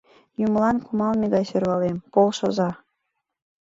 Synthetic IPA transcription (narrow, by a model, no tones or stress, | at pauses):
jumlɑnkumɑlmeɣɑjsørɣɑlempolʃɤ̆zɑ